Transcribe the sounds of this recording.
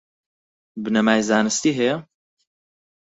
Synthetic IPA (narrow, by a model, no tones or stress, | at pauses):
bɨnɐmaːjzaːnɨst̪iːɦɛjɛ